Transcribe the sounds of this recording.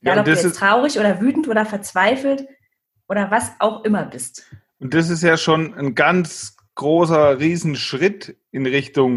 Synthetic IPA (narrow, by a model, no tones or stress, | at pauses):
jaːdɔdaɛtʁ̥aʊʁɪçʔoːdɐvyːtn̩tʔoːdɾɐfɛɐt͡sv̥aɪfl̩t | ʔoːɾɐvasʔa̰ʊxʔɪmɐbɪstʔʊnt̚d̥as̬ɪstjaːʃoːnənɡant͡s | ɡ̥ʁoːsɐʁiːzn̩ʃʁ̥ɪt | ɪnʁɪçtʊŋ